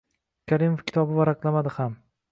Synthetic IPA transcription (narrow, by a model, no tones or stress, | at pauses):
kʲʰaɾimofkʲʰɪ̥t̪ɒbɪvaɾaqlˠamad̪ɪham